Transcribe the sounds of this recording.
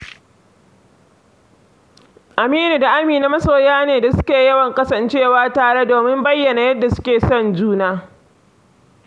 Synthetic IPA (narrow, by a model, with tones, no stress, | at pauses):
ʔa˨miː˦nu˨da˨ʔa˦miː˨na˦mɐ˦soː˨jaː˦neː˨da˨sʊ̥˦kʲeː˨jɐ˦wɐ˨ŋkʼɐ˦sɐ˨nt͡ʃeː˦waː˦taː˨ɽe˦doː˨mɪ˦mbɐ˦jːɐ˨na˨jɐ˦dːa˨sʊ̥˦kʲeː˨sɔ˦˨nd͡ʒuː˦naː˦